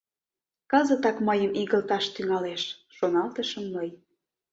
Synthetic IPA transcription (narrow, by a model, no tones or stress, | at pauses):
kɤzə̆t̪ɑkməjəmiɣə̆lt̪ɑʃt̪yŋɑleʃʃonɑlt̪ə̆ʃəmːɤj